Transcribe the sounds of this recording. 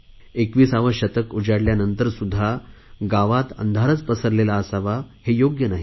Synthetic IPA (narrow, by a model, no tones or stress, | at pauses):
ekʋiːsaʋəɕət̪əkud͡ʑaɽljanənt̪əɾsud̪ʱːaɡaʋat̪ə̰nd̪ʱaɾət͡spəsəɾlelaəsaʋahejoɡjənaɦi